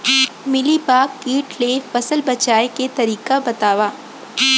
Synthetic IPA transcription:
mɪlipaːkːiːʈleːfɐsəlbɐt͡ʃaːeket̪ɐɾiːkabɐt̪aːʋaː

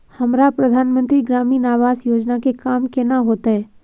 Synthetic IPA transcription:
hɐmɾapɾəd̪ʱaːnmə̃nt̪ɾiɡɾaːmiːnaːʋaːzjoːd͡ʒnakekaːmkenaɦoːt̪aɦɛː

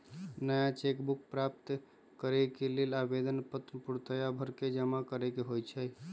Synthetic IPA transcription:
nəjat͡ʃekbuk̚pɾap̚t̪ | kəɾɛkelelabed̪ənpət̪puɾt̪əjabʱəɾked͡ʒəmakəɾɛkeɦojt͡ʃʰəj

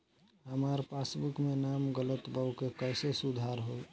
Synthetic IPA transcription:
ɦəmaɾpasbukmenamɡələt̪bəwkekəɪsesud̪ʱaɾɦoi

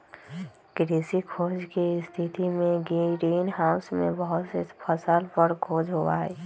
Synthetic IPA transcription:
kɾeːsikʰoːd͡ʒkest̪ʰit̪imẽɡiɾiːnɦaːʊsmḛ̃bəɦʊt̪sepʰəsəlpəɾkʰoːd͡ʒɦoa̰ːɛ

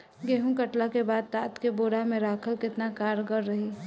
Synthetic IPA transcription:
ɡeːɦũkəʈlakebaːd̪̚t̪aːt̪keboːɾamẽɾaːkʰəlkɪt̪nakaːɾɡəɾːəɦi

